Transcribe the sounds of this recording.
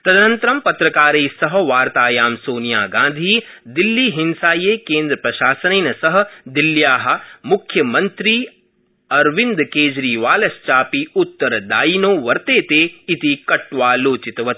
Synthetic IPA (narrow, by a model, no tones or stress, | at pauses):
t̪ɐd̪nɐnt̪ɾɐmpɐt̪ɾɐkaːɾeːsɐɦɐ̆ʋaːɾt̪aːjaːmsoːnjaːɡãːnd̪ʱiːd̪ilːiːɦinsaːjeːkeːnd̪ɾɐpɾɐʃaːsɐneːnɐsɐɦɐ̆d̪iljaːɦɐ̆mukʰjɐmɐnt̪ɾiː | ɐɾʋind̪keːd͡ʒɾiːʋaːlɐst͡ʃaːpiut̪ːɐɾɐd̪aːinoːʋɐɾt̪eːt̪eːit̪ikɐʈʋaːloːt͡ʃit̪ɐʋɐt̪